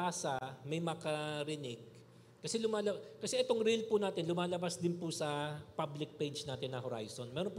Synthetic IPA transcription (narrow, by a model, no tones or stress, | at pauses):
aːsɐmɐjmɐkɐɾɪnɪɡ̚ | kɐsɛlʊmaːlɐkɐsɛʔɛt̪o̞ŋɾilpʊnaːt̪ɪnlʊmaːlɐbasd̪ɪnpʊsɐpablɪk̚pɛjd͡ʒnaːt̪ɪnːɐɦoɾa̰jso̞nmɛːɾonp